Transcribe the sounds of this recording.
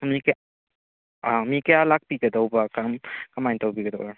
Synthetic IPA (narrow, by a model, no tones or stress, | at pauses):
mik | amikejalak̚piɡɐdawbakamkamajntawbiɡɐdawba